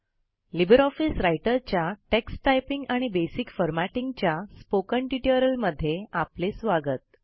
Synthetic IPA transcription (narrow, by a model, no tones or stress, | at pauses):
libəɾɔfisɾajʈəɾt͡ɕjaʈeksʈajpiŋɡaɽ̃ibesikfəɾmaʈiŋɡt͡ɕjaspokəɳʈiʈiəɾəlməd̪ʱːjeaplesʋaɡət̪̚